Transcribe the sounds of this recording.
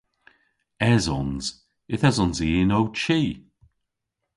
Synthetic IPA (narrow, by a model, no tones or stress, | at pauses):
ɛzɔnz | ɪθɛzɔnziːnowt͡ʃiː